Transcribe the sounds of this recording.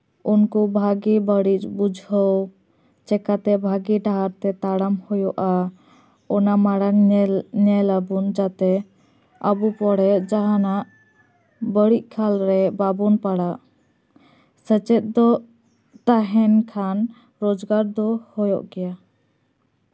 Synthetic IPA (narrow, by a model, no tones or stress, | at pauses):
unkubʱaɡibəɽit͡ʃbud͡ʒʱhəw | t͡ʃɛkat̪ɛbʱaɡiɖaɦaɾt̪ɛt̪aɽamhɔjɔʔa | ɔnamaɽanɲɛləbund͡ʒat̪ɛ | əbupɔɽɛd͡ʒaɦanaʔ | bəɽiʔ̚ˀkʰalɾɛbabunpaɽaʔ | sət͡ʃɛt̪̚d̪ɔ | t̪aɦɛnkʰan | ɾɔd͡ʒɡaɾd̪ɔhɔjɔ̰ʔɡɛja